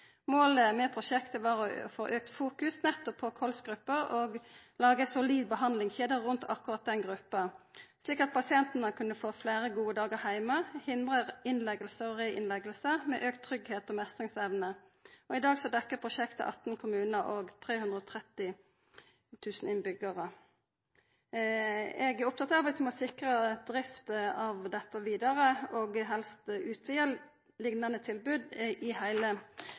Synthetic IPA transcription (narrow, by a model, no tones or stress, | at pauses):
moːləmɛːpʰʁʊʃɛkt̪əʋɑːʁɔfoːʔøːk̚t̪fuːkʉsnɛt̪ːɔpʰːɔkʰɔlsɡɾʁʉpːəʁoɡlɑːɡəsʊliːd̪̚bəhɑnd̪lɪŋçeːd̪əʁːʉnt̪ʰɑ̰kːʉʁɑt̪̚d̪ɛnɡʁʉpːəsliːkɑt̪̚pʰɑsɪɛnt̪nəkʰʉnːəfoːfleːʁəɡuːəd̪ɑːɡəʁhæɪməhɪnd̪ʁəɪnlɛɡəlsəɔʁeːʔɪ̰nlɛɡəlsəmɛ̰ːʔøːk̚t̪ʰːɾʏɡheːt̪ɔmɛst̪ʁɪŋsɛʋnə | ɔɪd̪ɑːɡsɔd̪ɛkːəpʰʁʊʃɛkt̪ə̰ʔɑ̰t̪n̩kʰʊmʉːnəɔɡt̪ʰʁeːhʉnd̪ʁəɔːt̪ʰʁɛt̪ːɪ | t̪ʰʉːsn̩ɪnbʏɡəʁə | ɛɡæɾʊp̚t̪ʰɑt̪ɑʋɛt̪ʰmɔsɪkʁəd̪̥ʁɪft̪ɑʋd̪ɛt̪ːəʋiːd̪əʁəɔɡɦɛlst̪ʉːt̪ʰʋɪəl | lɪɡnɑnət̪ʰɪlbʉd̪ʔɪhæɪlə